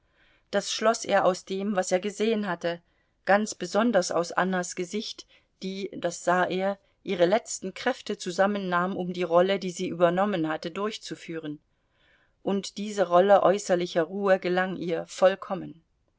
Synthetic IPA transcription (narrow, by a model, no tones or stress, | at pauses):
d̥asʃlɔsʔḛːɐʔaʊsd̥eːmvaseːɐɡəzeːənɦatə | ɡ̥ant͡sb̥əzɔndɐsa̰ʊsʔa̰nɐsɡ̥əzɪçt | d̥iːd̥asz̥aːʔeːɐ | ʔiːʁ̞əlɛt͡stn̩kʁ̥ɛftət͡suzamənːaːmʊmdiːʁɔlədiːziːʔyːbɐnɔmənhatədʊɐçt͡sufyːʁən | ʔʊntd̥iːzəʁɔləʔɔʏsɐlɪçɐʁuːəɡəlaŋʔiːɐfɔlkʰɔmən